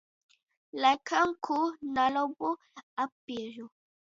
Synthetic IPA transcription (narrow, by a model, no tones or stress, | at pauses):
lakʰaŋkʰunalobo | apiɾu